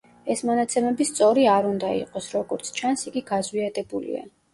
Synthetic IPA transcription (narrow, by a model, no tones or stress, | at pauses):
ɛsmɔnat̪sʰɛmɛbist̪sʼɔɾiaɾund̪aḭqʼɔsɾɔɡɔɾt̪sʰt͡ʃʰansiɡiɡazwiad̪ɛbulḭa̰